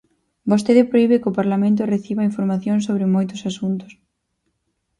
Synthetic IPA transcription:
bost̪eðɪpɾoiβɪkɪʊpaɾlamẽnt̪ʊreθiβaiɱfoɾmaθjoŋsoβɾɪmojt̪ʊsasunt̪ʊ̥s

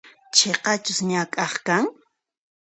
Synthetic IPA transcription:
t͡ʃʰeqɑt͡ʃʊsɲakʼɑχkaŋ

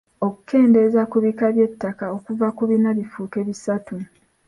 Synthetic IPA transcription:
o̞ku̥ke̞ːnde̞zakuβikaβje̞tːakao̞kuvakuβinaβifuke̞βisatu

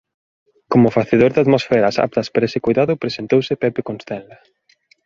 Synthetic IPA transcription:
komʊfaθeðoɾðaðmosfɛɾɐsa̰p̚t̪ɐspaɾaesɪkojðaðʊpɾesent̪owsɪpɛpekonst̪ɛnlɐ

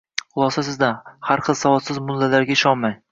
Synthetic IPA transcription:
χʊlˠɒsasɪzd̪ahaɾχɨlˠsavɒt̪sɪzmʊlːalaɾɡʲaɪʃɒnmaj

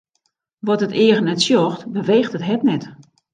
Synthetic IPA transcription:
ʋɔtətɪəɣənɛtsjɔxtbəʋeːxtətɦɛtnɛt

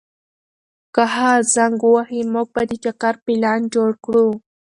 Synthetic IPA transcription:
kaɦazaŋɡwahimuɡ̚bad̪ət͡ʃakaɾpɪlɑnd͡ʒoɽkɽu

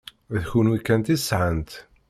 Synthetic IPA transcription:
ðçunukːænt̪isʕənt̪

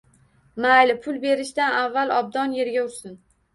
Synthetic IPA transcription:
majlɪpʰʊlˠbe̞ɾɪʃt̪anavːalɒb̚d̪ɒnje̞ɾɡʲaʊɾsɪn

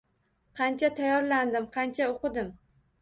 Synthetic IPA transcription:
qʰɑnt͡ʃʰat̪ʰajɒɾland̪ɪmqʰɑnt͡ʃʰaoqɨd̪ɪm

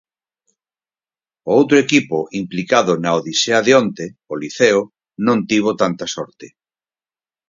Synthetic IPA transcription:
oowt̪ɾoekipoʔimplikaðʊnaoðiseaðeont̪eoliθeo | nõnt̪iβ̞ot̪ant̪asɔɾt̪e

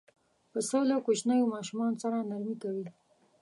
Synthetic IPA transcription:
pəsowlakot͡ʃnajomɑʃumɑnosaɾanaɾmikawi

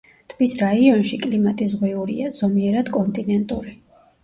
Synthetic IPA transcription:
t̪ʰmisɾaiɔnʃikʼlimat̪ʼizʁwɛuɾḭaz̥ɔmiɛɾad̪̥kʼɔnt̪ʼinɛnt̪ʼuɾi

